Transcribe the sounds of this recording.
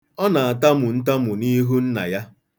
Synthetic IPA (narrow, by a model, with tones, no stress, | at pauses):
ɔ˦na˨a˨ta˦mʊ˨n̩˦ta˦mʊ˨ni˦ɦu˦n̩˦na̰˨ja˦